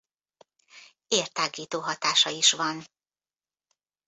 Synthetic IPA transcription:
eːrt̪aːɡiːt̪oːɦɒt̪aːʃɒiʃʋɒn

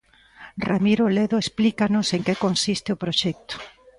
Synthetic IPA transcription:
ramiɾoleðʊesplikanʊseŋkekonsist̪ɪopɾoʃɛk̚t̪ʊ̥

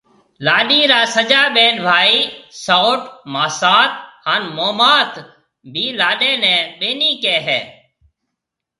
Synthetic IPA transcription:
laːɗiːɾaːsəd͡ʒaːɓeːnbʱaːiːsoːʈmaːsaːt̪̚haːnmoːmaːt̪ | bʱiːlaːɗeːnɛ̃ːɓeːniːkeːɦɛː

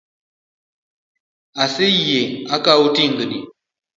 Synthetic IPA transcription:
asejeakautiŋɡɨni

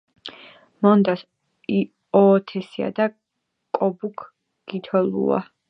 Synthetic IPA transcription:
mɔnd̪as | i | ɔːt̪ʰɛsia̰d̪a | kʼɔbukʰ | ɡ̥it̪ʰɔlṵa̰

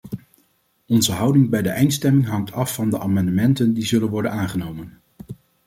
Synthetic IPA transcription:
ɔnzəɦɑwdɪŋbɛjdəʔɛjntstɛmɪŋɦɑŋtʰɑfːɑndəʔaːmɑndəmɛntəndizɵlənʋɔɹdənaːnχənowmən

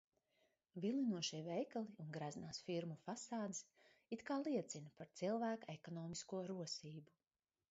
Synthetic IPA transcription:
vilˠinuɔʃivɛjkalˠiunɡɾaznaːsfiɾmufasaːd̪is | it̪kaːlˠiɛt̪sinpaɾt̪silˠvæːkaekɔnɔːmiskuɔɾuɔsiːbu

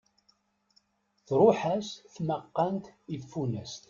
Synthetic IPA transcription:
θɾˤʊħæsθməqːɑnt̪ifːunæst̪

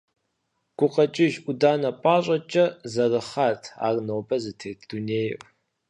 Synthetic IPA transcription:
ɡ̥ʷʊqɐt͡ʃʼɪʒudaːnɐpʷʼaːɕʼɐt͡ʃʼɐzɐrɨχaːtʰa̰ːrnowbɐzɨtʰeːtʰd̥uneːjʔ

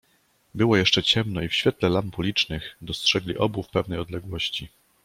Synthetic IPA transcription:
bɘwɔjɛʂt͡ʂɛt͡ɕɛmnɔifɕfʲjɛt̪lɛlampulʲit͡ʂnɘxd̪ɔstʂɛɡlʲiʔɔbufpɛvnɛjɔd̪lɛɡwɔɕt͡ɕi

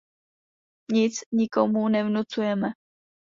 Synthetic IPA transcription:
ɲɪt͡sɲɪkomunɛvnut͡sujɛmɛ

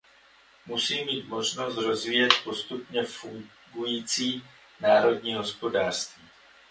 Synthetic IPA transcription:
musiːmiːt̪mo̞ʒno̞st̪ɾo̞zviːjɛt̪̚post̪upɲɛfuŋ | ɡujiːt͡siː | naːɾo̞dɲiːɦo̞spo̞daːr̥st̪viː

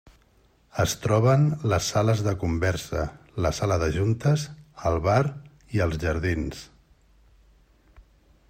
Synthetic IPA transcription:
əst̪ɾɔβ̞ənləsːaləzðəkumbɛɾsə̰ | ləsaləðəʒunt̪əzəlˠβaɾ | iəlˠzʒəɾðins

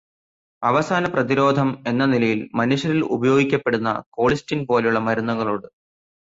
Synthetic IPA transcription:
ɐʋɐsaːnɐprɐðiɾo̞ːd̪ʱɐme̞nːɐnilɐjilmɐnuʂjɐɾilṵbɐjo̞ːɡikʲːɐpːeɽunːɐ̰ko̞ːɭistinpo̞ːlejuɭːɐmɐɾunːɐɣɐɭoːɽɨ

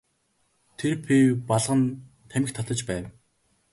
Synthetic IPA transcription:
t̪ʰerpipaɮʁə̆n | t̪ʰæmʲɪ̆xt̪ʰat̪ə̆t͡ɕpæːw

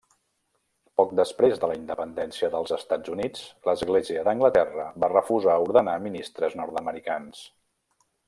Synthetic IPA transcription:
pɔk̚d̪əspɾezðələind̪əpənd̪ɛnsiəðəlˠzəst̪ad͡zunit͡sləzɣleziəðəŋɡlət̪ɛrəβarəfuzauɾðənaminist̪ɾəznɔɾt̪əməɾikans

